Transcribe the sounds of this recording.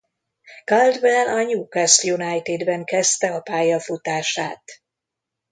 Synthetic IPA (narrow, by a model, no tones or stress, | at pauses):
kald̪vɛlɒɲuːkasjunajt̪id̪bɛŋkɛst̪ɛɒpaːjɒfut̪aːʃaːt̪